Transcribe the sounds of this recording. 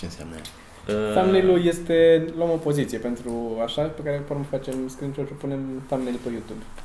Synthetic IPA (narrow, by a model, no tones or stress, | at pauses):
t͡ʃensa̰mna̰ | ət̪amnejluje̞st̪e̞loamo̞po̞zit̪sijepe̞nt̪ɾuaʃape̞kaɾepoɾməfat͡ʃe̞mskɾint͡ʃoɾʃipune̞mt̪amnejlpejut̪ub